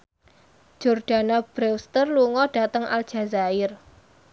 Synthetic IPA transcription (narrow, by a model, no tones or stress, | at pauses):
ʒ̥orɖ̥a̤nab̥ɾɛwst̪ərluŋɔɖ̥a̤t̪əŋa̰l̥ʒ̥a̤zaɪr